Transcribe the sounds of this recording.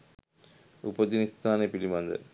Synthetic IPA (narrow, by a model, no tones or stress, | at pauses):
upɐt̪ːinist̪aːnepilimand̪ɐ̰